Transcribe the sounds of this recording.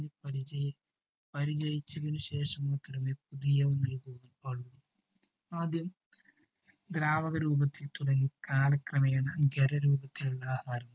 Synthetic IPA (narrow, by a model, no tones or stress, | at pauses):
ipɐɾi | pɐɾid͡ʑɐjit͡ɕːɐðinuɕe̞ːʂɐmaːt̪rɐmepuðijɐʋunɐlkuɐpɐɭːu | aːd̪jɐm | d̪ɾaːʋɐɣɐɾuːbɐt̪ːilt̪uɽɐŋːikaːlɐkrɐmɐjaːɳɐɡeɾɐɾuːbɐt̪ːiluɭːaːhaːɾɐm